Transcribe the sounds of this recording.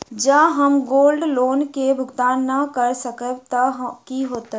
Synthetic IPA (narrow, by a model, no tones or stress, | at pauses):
d͡ʒaːɦɐmɡoːlɖloːnkebʱʊɡt̪aːnːɐkəɾsəkəbt̪aɦkiɦoːt̪a